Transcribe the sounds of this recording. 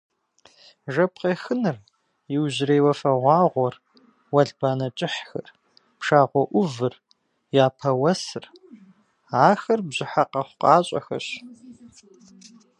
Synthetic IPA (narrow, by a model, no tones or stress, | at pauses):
ʒɐp̚qeːxɨnɨr | jɪwʑɪrejwɐfɐʁʷɑːʁʷɔr | wɐɮbaːnɐt͡ʃʼɪħxɐr | pʂaːʁʷɔʔʷʊvɨr | jaːpʰɐwɐsɨr | aːxɐrbʑɪħaqɐχʷʊqʼɑːɕʼɐ̰xɐ̰ɕ